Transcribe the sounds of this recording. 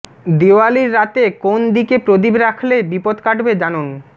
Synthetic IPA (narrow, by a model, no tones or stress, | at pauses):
d̪eoaliɾːat̪ekond̪ikepɾod̪ibɾakʰlebipot̪kaʈbed͡ʑanon